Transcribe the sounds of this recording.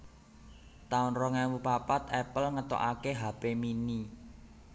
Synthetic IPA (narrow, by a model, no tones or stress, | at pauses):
t̪aʊnrɔŋɛwupapat̪ɛpəlŋət̪o̰ʔakeɦa̤pemini